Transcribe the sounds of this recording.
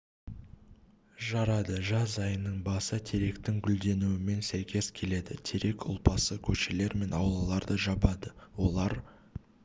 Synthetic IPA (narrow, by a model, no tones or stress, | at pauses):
ʒɑɾɑd̪əʒɑzɑjənəɴbɑsət̪ʰe̞ɾe̞kt̪ɪŋɡʲʏld̪e̞nuwɪme̞nsæjkʲe̞zkʲʰe̞le̞d̪ɪt̪ʰe̞ɾe̞kʊ̰lˠpɑsəkʲʰɵʃe̞le̞ɾme̞nɑwlˠɑlˠɑɾd̪əʒɑbɑd̪əwo̞lˠɑɾ